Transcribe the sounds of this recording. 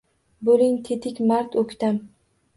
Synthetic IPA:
bolɪŋt̪ʰet̪ʰɪkʲmaɾt̪ʰɵkʲt̪am

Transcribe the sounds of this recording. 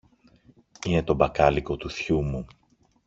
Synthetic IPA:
ine̞t̪o̞bɐkɐliko̞t̪uθçumu

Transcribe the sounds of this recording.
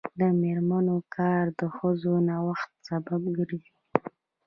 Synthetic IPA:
d̪əmeɾmanokʰɑɾd̪əxəzonawaxt̪̚sabab̚ɡəɾizi

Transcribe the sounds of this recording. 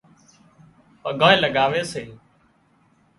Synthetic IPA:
pəɡʱãːẽːləɡaːʋeːseː

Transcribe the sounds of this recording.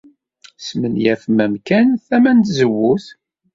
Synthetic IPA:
smənjæθmæmkænθæmænt̪zəwːuθ

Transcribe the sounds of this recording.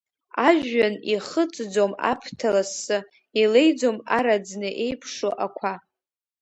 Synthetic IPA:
aʒᶣːaniχət͡sʼd͡zoma̰pʰtʰalasːɨ | ilejd͡zomaɾad͡znɨʔe̞jpʰʂoʔakʷʰa

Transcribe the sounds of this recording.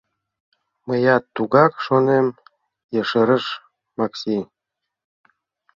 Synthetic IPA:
məjɑt̪ːuɣɑkʃonem | jə̆ʃəɾə̆ʃ | mɑksi

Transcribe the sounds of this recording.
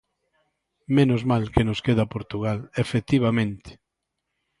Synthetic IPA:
menozmalkenoskeð̞apoɾt̪uɣalefek̚t̪iβ̞amẽnt̪ɪ̥

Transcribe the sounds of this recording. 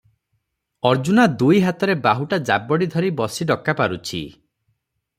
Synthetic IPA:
ɔɾd͡ʒunad̪ujɦat̪ɔɾebaɦuʈad͡ʒabɔɽid̪ʱɔɾibɔsiɖɔkːapaɾut͡ʃʰḭ

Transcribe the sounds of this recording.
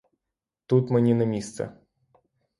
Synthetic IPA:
t̪ut̪mɨnʲinɐmʲist̪sɛ̰

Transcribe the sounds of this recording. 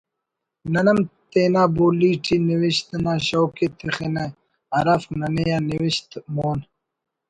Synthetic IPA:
nɐnɐmt̪eːnaːboːliːʈʰiniwiɕt̪naːɕowket̪ixena | ɐɾafnɐnejaːniwiɕt̪moːn

